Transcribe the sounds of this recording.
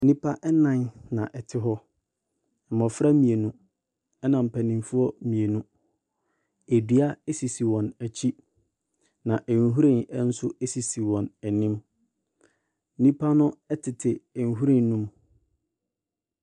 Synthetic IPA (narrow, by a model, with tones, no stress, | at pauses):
n̩˦nĩ˦pʰa˦ʔɛ˦nã˦nnã˨ʔɛ˨tʰɪ˦ɦɔ˦ | m̩˨mɔ̃˨fɾa˦mĩ˨e˨nũ˦ | ɛ˦nã˨m̩˨pʰæ˨nĩ˨mfʊ˦ɔ˦mĩ˨e˨nũ˦ | e˨di˨˦a˦ɛ˦si˨si˨wɔ̃˨næ˨t͡ɕʰi˦ | nã˨ʔɛ˨n˨ɦu˦ɾĩ˦˨nɛ˦n̩˦sʊ˦e˦si˨si˨wɔ̃˨næ˨nĩ˦m | n̩˦nĩ˦pʰa˦nʊ̃˦ɛ˦tʰɪ˨tʰɪ˨n˨ɦu˦ɾĩ˦nː˦ũ˦m